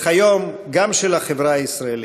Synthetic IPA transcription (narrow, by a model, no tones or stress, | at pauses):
ajom | ɡamʃelaχevɾaaisɾael